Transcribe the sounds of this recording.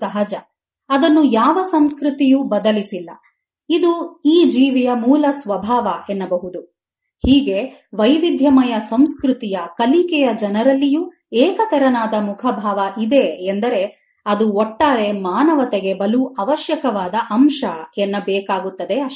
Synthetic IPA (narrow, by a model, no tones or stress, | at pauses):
sɐɦɐd͡ʒɐ | ɐd̪ɐnːujaːʋɐsɐmskɾut̪ijubɐd̪ɐlisilːɐ | id̪uiːd͡ʒiːʋijɐmuːlɐsʋɐbʱaːʋɐʔenːɐbɐɦud̪u | hiːɡe̞ʋɐjʋid̪ʱjɐmɐjɐsɐmskɾut̪ijɐkɐlikɛjɐd͡ʒɐnɐɾɐlːiju | ɛːkɐt̪ɛɾɐnaːd̪ɐmukʰɐbʱaːʋɐʔid̪e̞ːnd̪ɐɾe̞ | ɐd̪uoʈːaːɾe̞maːnɐʋɐt̪eɡe̞bɐluʔɐʋɐʃjɐkɐʋaːd̪ɐʔɐmʃɐenːɐbɛːkaːɡut̪ːɐd̪e̞ɐʃ